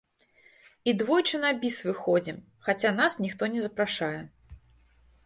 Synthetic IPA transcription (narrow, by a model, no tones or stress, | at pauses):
id̪vɔjt͡ʂɨnabʲisvɨxɔd͡zʲim | xat͡sʲanasnʲixt̪ɔnʲɛzɐpɾaʂajɛ